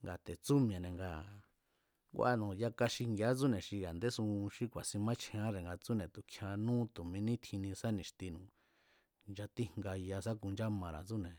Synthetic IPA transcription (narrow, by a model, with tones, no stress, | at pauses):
ŋɡa˨t̪e˨t͡su˦mĩ˧˨ã˨nẽ˨ŋɡa˧ | ŋɡʷa˧nũ˨ja˧ka˧ʃi˧ŋɡja˦t͡su˦nẽ˨ʃi˧ja˨nd̪e˦sũ˧ʃi˦kʷa˨sĩ˧mã˦t͡ʃʰẽ˧ã˦ɾe˨ŋɡa˧t͡su˦nẽ˨t̪u˨kʰjã˧nũː˦t̪u˨mĩ˧nĩ˦t̪ʰĩ˧nĩ˧sa˦nĩ˨ʃt̪i˧nũ˨ | nd͡ʒa˧t̪i˦ŋŋɡa˧ja˧sa˦ku˧nd͡ʒa˦mã˨˧ɾa̰˨t͡su˦nẽ˨